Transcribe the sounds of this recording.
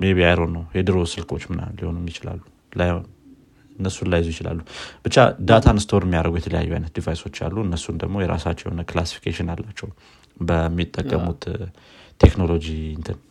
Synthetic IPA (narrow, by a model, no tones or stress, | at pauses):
meβiajɾo̞nːəwhɛd̪ɨɾo̞sɨlkʼo̞t͡ʃːmɨna̰liho̞nuɛmːjɪt͡ʃɪla̰lːu | laj | ɨnːəsːunlajzujɪt͡ʃɪla̰lːub̥ɨt͡ʃːa̰d̪at̪ʰanɨst̪ʰoɾɛmːijaɾəɡujɛt̪ʰələja̰jːuajnət̪d̪ivajso̞t͡ʃːa̰lːuɨnːəsːund̪əɡmo̞jɛɾa̰sat͡ʃːɛjɛ̰honəklasi̥fi̥kʰeʃɪnalːat͡ʃːɛw | bəmːit̪ʼːəkʼːəmut̪t̪ʰekno̞lo̞d͡ʒint̪ʰɨn